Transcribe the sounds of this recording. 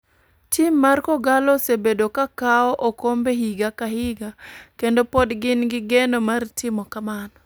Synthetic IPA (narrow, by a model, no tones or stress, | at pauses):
t͡ʃimːarkɔɡalɔsebedokakaɔʔokombehiɡakahiɡakendopodɡɪnɡɪɡenomartɪmɔkamanɔ